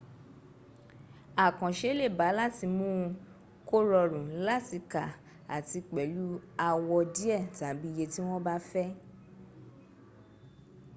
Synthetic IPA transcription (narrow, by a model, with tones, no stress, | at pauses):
a˨kã˨ʃe˦le˦˨ba˨˦la˦˨ti˧mũ˦ | ko˦ɾɔ˧ɾũ˨la˦ti˧ka˨ | a̰˨ti˧k͡pɛ˨˦lu˦a˧wɔ˧di˦ɛ˦˨ta˨˦bi˦je˧ti˦w̃ɔ̃˦ba˦fɛ˦